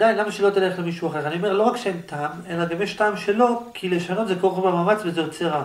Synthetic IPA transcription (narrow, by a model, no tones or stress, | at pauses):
d̪ajnlamaʃelo̞t̪ile̞χlemiʃuaχeʁanio̞melo̞ʁakʃeent̪aːmelaɡamjeʃtaːmʃelo̞kʰileʃano̞t̪zekoʁbamaːmat͡svezet͡seʁa